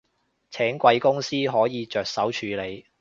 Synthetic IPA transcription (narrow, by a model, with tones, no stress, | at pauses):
t͡sʰɛː˨˥ŋkʷɐ˧jkʊ˥ŋsiː˥ɦɔː˨˥jiː˨˧t͡ʃœː˨k̚sɐ˨˥wt͡ʃʰyː˨˧le˨˧j